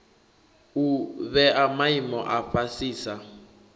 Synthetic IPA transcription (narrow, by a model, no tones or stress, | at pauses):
uβɛʔamaimɔʔaɸasiːsa